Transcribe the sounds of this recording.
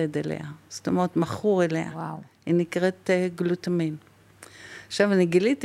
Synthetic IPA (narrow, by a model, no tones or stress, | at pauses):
ed̪elḛast̪omeʁetmaχuʁelea̰a | inikʁetɡlutamin | aχʃavaniɡilit